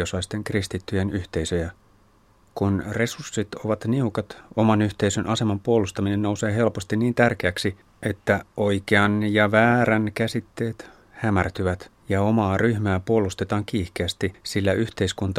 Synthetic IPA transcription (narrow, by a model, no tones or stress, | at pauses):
osɑist̪e̞ŋkrist̪it̪ːyjenyht̪e̞isøjæ | kunre̞sursːit̪oʋɑt̪niukɑt̪omɑnyht̪e̞isønʔɑsemɑmpuolust̪ɑminennouseːɦe̞lpost̪inniːnt̪ærkeæksi | et̪ːæoikeɑnjɑʋæːɾænkæsit̪ːe̞ːt̪ | hæmært̪yʋæt̪jɑomɑːryhmæːpuolust̪et̪ɑːŋkiːhkeæst̪isilːæʔyht̪e̞iskunt̪ɑ